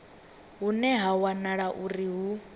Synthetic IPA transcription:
ɦunɛɦawanaɺaʔuriɦu

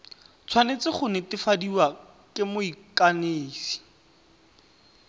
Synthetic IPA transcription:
t͡sʰwanet͡sɪχʊnɪtɪfadiwa | kɪmʊikaneːsi̥

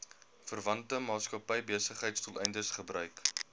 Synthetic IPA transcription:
fərvɐntəmɑːskɐpɛjbiəsəχɦəjtstɔlˠʔɛjndəsχəbrœɥk

